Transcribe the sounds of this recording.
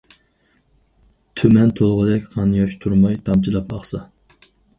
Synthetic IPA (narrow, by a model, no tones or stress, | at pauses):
t̪ʰømɛnt̪ʰolˠʁəd̪ɛkʲqʰɑnjɑʃt̪ʰuɾmɑjt̪ʰɑmt͡ʃʰilˠɑp̚mɑχsɑ